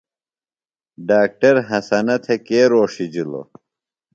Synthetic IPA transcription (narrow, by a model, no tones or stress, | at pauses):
ɖaːk̚ʈɐɾɦɐsɐnɐt̪ʰekeːɾoːʂid͡ʑilo̰